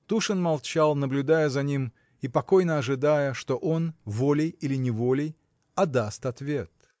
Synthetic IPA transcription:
t̪uʂɨnmalˠt͡ɕalˠnəblʲʊd̪ajəzɐnʲim | ipɐko̞jnəɐʐɨd̪ajəʂt̪o̞ʔo̞nvolʲɪjilʲɪnʲɪvo̞lʲɪj | ɐd̪ast̪ɐt̪vʲe̞t̪

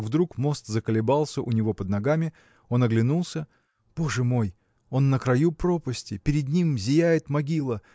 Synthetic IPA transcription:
vd̪ɾukmo̞st̪zəkəlʲɪbɑlˠsʲəʔʊnʲɪvo̞pəd̪nɐɡamʲɪ | o̞nɐɡlʲɪnulˠsʲə | b̥o̞ʐɨmo̞j | o̞nːəkɾɐjupɾopəsʲtʲɪpʲɪɾʲɪd̪nʲimzʲɪjæjɪt̪mɐɡʲilˠə

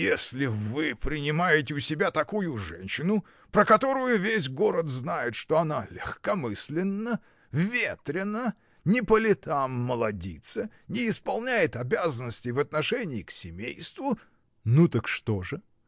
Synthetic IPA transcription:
jesʲlʲɪvɨpɾʲɪnʲɪmajɪtʲɪʊsʲɪbʲat̪ɐkujʊʐɛ̰nʲɕːɪnʊ | pɾəkɐt̪o̞ɾʊjʊvʲes̬ʲɡo̞ɾət̪znajɪt̪ʂt̪o̞ɐnalʲɪxkɐmɨsʲlʲɪnːə | vʲet̪ɾʲɪnə | nʲɪpəlʲɪt̪amːəlˠɐdʲḭt̪sənʲɪːspɐlˠnʲæjɪt̪ɐbʲazənːəsʲtʲɪvɐt̪nɐʂɛnʲɪːksʲɪmʲejst̪vʊ | nut̪əkʂt̪o̞ʐɨ

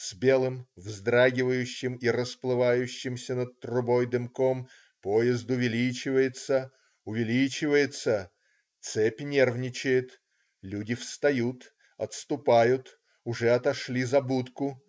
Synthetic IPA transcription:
sbʲe̞lˠɨmvzd̪ɾaɡʲɪvəjʉɕːɪmirəsplˠɨvajʉɕːɪmsʲənət̪̚t̪rʊbo̞jd̪ɨmko̞m | pojɪzd̪ʊvʲɪlʲit͡ɕɪvəjɪt̪sə | ʊvʲɪlʲit͡ɕɪvəjɪt̪sə | t̪sɛpʲɪnʲe̞rvnʲɪt͡ɕɪjɪt̪ | lʲudʲɪfst̪ɐjut̪ | ɐt̪st̪ʊpajʊt̪ | ʊʐɛɐt̪ɐʂlʲizɐbut̪kʊ

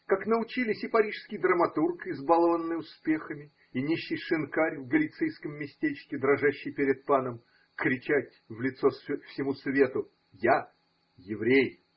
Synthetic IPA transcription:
kaknəʊt͡ɕilʲɪsʲɪpɐɾʲiʂskʲɪjd̪ɾəmɐt̪urkɪzbalˠəvənːɨjʊspʲe̞xəmʲɪ | inʲiɕːɪjʂɨnkaɾʲvɡəlʲɪt̪sɨjskəmːʲɪsʲtʲet͡ɕkʲɪd̪ɾɐʐaɕːɪjpʲɪɾʲɪt̪̚panəm | kɾʲɪt͡ɕætʲvlʲɪt̪sosfsʲɪmusvʲe̞t̪ʊ | ja | jɪvɾʲej

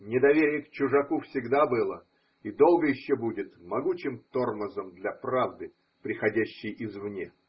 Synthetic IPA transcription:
nʲɪd̪ɐvʲeɾʲɪjəkt͡ɕʊʐɐkufsʲɪɡd̪abɨlˠə | id̪o̞lˠɡəjɪɕːobudʲɪt̪mɐɡut͡ɕɪmt̪o̞rməzəmd̪lʲɐpɾavd̪ɨ | pɾʲɪxɐdʲæɕːɪjɪzvnʲe

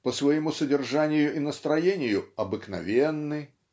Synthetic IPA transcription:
pəsvɐjɪmusədʲɪrʐanʲɪjʊʔɪnəst̪ɾɐjenʲɪjʊɐbɨknɐ̰vʲenːɨ

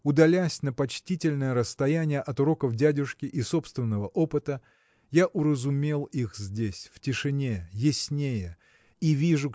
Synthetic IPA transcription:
ʊd̪ɐlʲæsʲnəpɐt͡ɕtʲitʲɪlʲnəjəɾəst̪ɐjænʲɪjəʔɐt̪ʊɾo̞kəvdʲædʲʊʂkʲɪʔiso̞pst̪vʲɪnːəvəʔo̞pɨt̪ə | jaʔʊɾəzʊmʲelˠixzʲdʲesʲftʲɪʂɨnʲejɪsʲnʲejə | ivʲiʐʊ

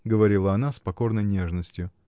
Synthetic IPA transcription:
ɡəvɐɾʲilˠəɐn̪aspɐko̞rnəjnʲe̞ʐnəsʲtʲjʊ

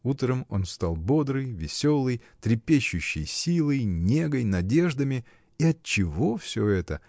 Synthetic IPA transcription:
ut̪ɾəmo̞nst̪alˠbo̞d̪ɾɨjvʲɪsʲo̞lˠɨjt̪ɾʲɪpʲeɕːʊɕːɪ̰jsʲilˠəjnʲe̞ɡəjnɐdʲe̞ʐd̪əmʲɪ | iɐt̚t͡ɕɪvo̞fsʲoɛt̪ə̰

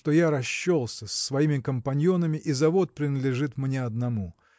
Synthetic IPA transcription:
ʂt̪o̞jaɾɐɕːolˠsʲəsʲːvɐimʲɪkəmpɐnʲjonəmʲɪʔizɐvo̞t̪̚pɾʲɪnəd̪lʲɪʐɨt̪mnʲeɐd̪nɐmu

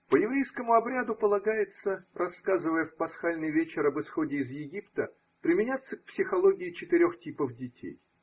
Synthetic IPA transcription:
pəjɪvɾʲejskəmʊɐbɾʲad̪ʊpəlˠɐɡajɪt̪sərʔɐskazɨvəjəfpɐsxalʲnɨjvʲet͡ɕɪɾɐbɨsxo̞dʲɪːzjɪɡʲipt̪ə | pɾʲɪmʲɪnʲat̪sːək̚psʲɪxɐlˠo̞ɡʲɪɪt͡ɕɪt̪ɪɾʲo̞xtʲipəfdʲɪtʲʰḛj

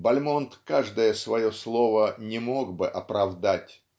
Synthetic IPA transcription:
bɐlʲmont̪kaʐd̪əjəsvɐjo̞slˠo̞vənʲɪmo̞ɡbɨʔɐpɾɐvd̪atʲ

